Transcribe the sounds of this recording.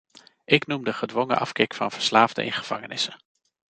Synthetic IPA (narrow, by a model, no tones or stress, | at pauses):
ʔɪknumdəχədʋɔŋə̰ʔɑfkɪkfɑ̰nv̥əɹslaːvdə̰ʔɪ̰nχəv̥ɑ̰ŋənɪsə